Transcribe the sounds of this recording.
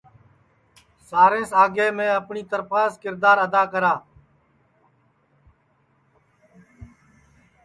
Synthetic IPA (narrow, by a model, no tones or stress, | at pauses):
saːɾẽːsaːɡeːmẽːəpɳiːt̪əɾpaːskɪɾd̪aːɾəd̪aːkəɾaː